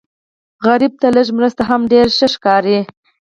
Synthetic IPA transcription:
ɣaɾib̚t̪aləʒmɾəst̪aɦamɖeɾʃəʃkɑɾi

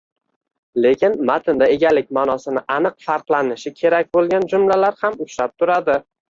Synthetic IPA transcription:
le̞kʲʰɪnmat̪ʰɪnd̪ae̞ɡʲalɪkʲmaːnɒsɪnɪʔanɨqfaɾqlˠanɪʃɪkʲʰe̞ɾak̚ʲbolˠɡʲand͡ʒʊmlalaɾhamʊt͡ʃlap̚t̪ʰʊɾad̪ɪ

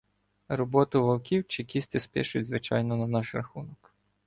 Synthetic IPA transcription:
ɾɔbɔt̪ʊʋɐlˠkʲiwt͡ʃɪkʲist̪ʲɪspʲɛʃʊtʲzʋɪt͡ʃɑ̰jnɔnɐnɑʃɾɐxunɔk

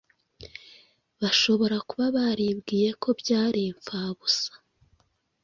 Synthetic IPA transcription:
βaʃo̞βo̞ɾakuβaβaɾibɡiːje̞kʰo̞bɟaːɾiɱfaːβusḁ

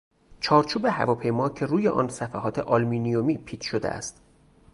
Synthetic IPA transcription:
t͡ʃʰɒːɾt͡ʃʰuːbe̞hæ̰vɒːpʰe̞jmɒːcʰe̞ɾuːjeʔɒ̰ːnsæfæɦɒːt̪ʰe̞ʔɒlmiːnijomiːpʰiːt̪ʰʃod̪eʔæ̰st̪

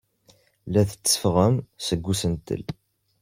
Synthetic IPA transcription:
læθə̥t͡sːə̥fʁəmsəɡʷːusənt̪ə̰l

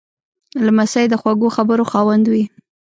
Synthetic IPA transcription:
lamasajd̪əxwaɡoxabəɾoxɑwand̪wi

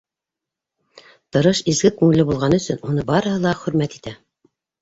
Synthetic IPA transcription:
t̪ɤ̆ɾɤʃizɡɘkʉŋɘ̆lɘbulˠʁɑnɵ̆sɵnunɤbɑɾɤ̆ɦɤlˠɑχɵ̆ɾmæt̪i̥t̪æ

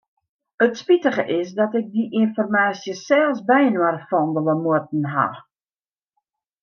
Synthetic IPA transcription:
ətspitəχəʔɪsdɔtɪk̚diʔinfɔrmaːsjəsɛlˠsbɛjənwarfɔndəlˠəmuət̚n̩ɦa̰

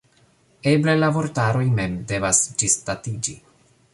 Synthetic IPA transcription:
e̞ble̞lavoɾtaɾo̞jme̞mde̞vasd͡ʒistatid͡ʒi

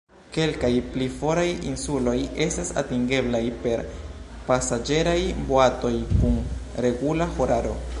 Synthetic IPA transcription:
ke̞lkajplifo̞ɾajḭnsulo̞je̞stasa̰tiŋɡe̞blajpe̞ɾ | pasad͡ʒe̞ɾajboato̞jkun | ɾe̞ɡulaho̞ɾaɾo̞̰

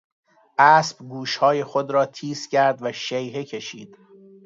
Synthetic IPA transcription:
ʔæːsbɡuːʃhɒːje̞xod̪ɾɒːt̪ʰiːscʰæɾd̪væʃejɦecʰeʃḭːd̪̥

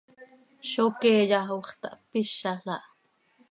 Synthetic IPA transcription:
ʃokeːjɑɦuχt̪ɑ̰ʔpiʃːɑɬɑʔ

